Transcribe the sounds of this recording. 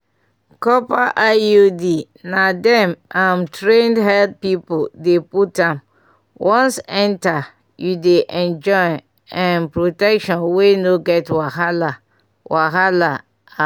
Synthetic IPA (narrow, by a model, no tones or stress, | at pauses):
kɔpaʔajodi | nadɛ̃mʔãmtɹẽndɦɛld̚pipodeputãm | wʔɔ̃nsɛ̃nta | judeʔɛ̃nd͡ʒɔɪ | ãnpɹotɛkʃɔ̃nwenoɡɛtwaɦala | wʔaɦala | a